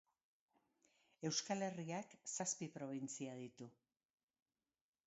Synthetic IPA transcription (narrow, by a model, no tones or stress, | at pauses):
e̞wskale̞riaksaspipɾo̞β̞int͡siað̞it̪u